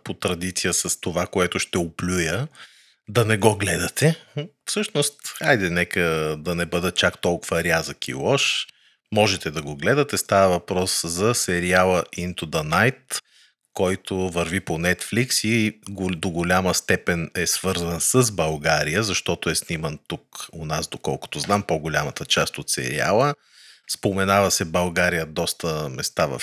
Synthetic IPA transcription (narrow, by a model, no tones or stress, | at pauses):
pot̪ɾɐd̪it̪sijəsɐst̪ovakoɛt̪ʊʃt̪ɛoplʲujə | d̪ɐnɛɡɔɡlɛd̪ɐt̪ɛfsɤʃnost̪ajd̪ɛnɛkəd̪ɐnɛbɤd̪ɐt͡ʃakt̪ɔlˠkʊvəɾʲazəkḭlˠɔʃ | mɔʒɛt̪ɛd̪ɐɡoɡlɛd̪ɐt̪ɛst̪avəvɐpɾɔszɐsɛɾialˠəint̪od̪ɐnajt̪ | kɔjt̪ovɐɾviponɛt̪fliksiɡod̪oɡolʲaməst̪ɛpɛnɛsv̥ɤɾzənsəzbɐlˠɡaɾijəzɐʃt̪ɔt̪ʊɛsnimənt̪ukonazd̪okɔ̰lˠkʊ̥t̪ʊznampoɡolʲamət̪ət͡ʃast̪ot̪sɛ̰ɾḭa̰lˠə | spomɛnavəsɛbɐlˠɡaɾijəd̪ɔst̪əmɛst̪avɐ̰f